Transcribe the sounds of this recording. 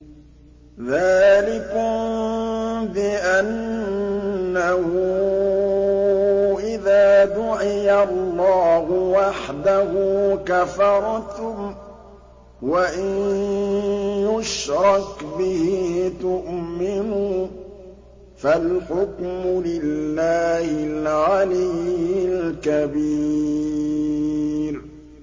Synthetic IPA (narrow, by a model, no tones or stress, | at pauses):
ðaːlɪkʊm | bɪʔan | ahʊ | ʔɪðaːd̪ʊʕɪjallːɑːhʊwaħd̪ahuːkafɑɾˤt̪ʊm | waʔɪn | jʊʃɾˤɑkbɪhiːt̪ʊʔmɪnuː | falħʊkmʊlɪlːaːhɪlʕalɪjɪlkabiː | ɾ